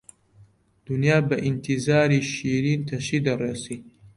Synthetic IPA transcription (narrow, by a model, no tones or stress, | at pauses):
d̪̥unjaːbɐʔint̪ʰizaːɾiːʃiːɾiːnt̪ʰɐʃiːd̪ɐreːsiː